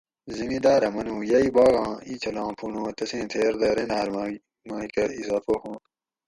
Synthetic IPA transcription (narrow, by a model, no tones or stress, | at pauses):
zimid̪aːɾɐmɐnũːjaibaːɣɑ̃ːit͡ɕʰɐlãːpʰunõːt̪ɐsẽːt̪ʰeːɾd̪ɐːɾenaːɾm | maːikɐizaːfohõː